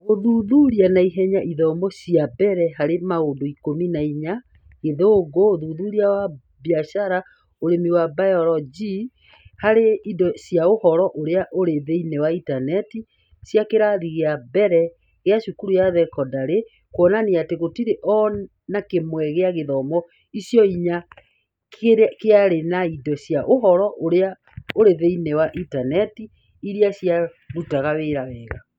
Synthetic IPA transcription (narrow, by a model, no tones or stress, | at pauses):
oðuðuɾianaiɦɛɲaʔiðɔmɔɕiabɛɾɛɦaɾemaondoikominaiɲa | ɣeðoɡooðuðuɾiawa | bjaʃaɾa | oɾemiwabajɔɾɔd͡ʒi | haɾeidɔɕjaohɔɾɔʔoɾeaʔoɾeðeinewaitanɛti | sjakeɾaðiɣeabɛɾɛ | ɣeaʃukuɾujaðɛkɔdaɾe | kwɔnaneateɣotiɾeʔɔ | nakemwɛɣeaɣeðɔmɔ | isjɔiɲa | kkeaɾenaidɔsjaʔoɦɔɾɔʔoɾea | oɾeðeinewaʔitanɛtiː | ɾiasja | ɾutaɣaweɾawɛːɣa